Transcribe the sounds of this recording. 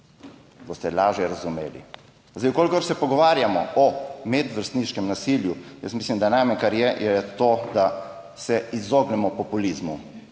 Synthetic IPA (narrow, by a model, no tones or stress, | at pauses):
bost̪ɛlaːʒjɛɾazumḛːlḭ | zd̪ejkoːlikɔɾsɛpɔɡɔʋaːɾjamɔ̰ɔmɛd̪ʋəɾst̪niʃkɛmnasiːljujə̰smislimd̪anajmankaɾjɛjɛt̪oːd̪a | sɛizoɡnɛmɔpɔpulizmu